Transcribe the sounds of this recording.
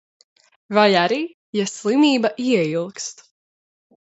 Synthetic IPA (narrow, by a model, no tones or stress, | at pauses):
vajaɾiː | jaslˠimiːbaʔiɛilˠkst̪